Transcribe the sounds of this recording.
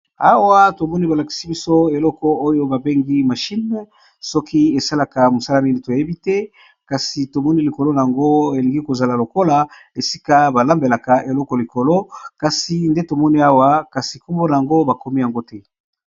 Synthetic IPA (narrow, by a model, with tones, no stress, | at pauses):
a˦wa˦to˨mɔ˦ni˦ba˨la˨ki̥˨si˦bi˦so˦e˨lɔ˦kɔ˦o˦jo˦ba˨be˦ŋɡi˦ma˨ʃi˦n | sɔ˦kʰi˦e˨sa˦la˨ka˨mo˨sa˦la˦ni˦ni˨to˨je˦bi˦tɛ˦ | ka˨si˨to˨mɔ˦ni˦li˨ko˨lo˦na˨a˨ŋɡo˦e˨li˨ŋɡi˦ko˨za˨la˨lo˨ko˦la˨ | e˨si˦ka˦ba˨la˦mbe˨la˨ka˨ʔe˨lɔ˦kɔ˨li˨ko˨lo˦ka˨si˨nde˦to˨mɔ˦ni˦a˦wa˦ka˨si˨ku˦mbo˦na˨ja˨ŋɡo˦ba˨ko˦mi˦ja˨ŋɡo˦tɛ˦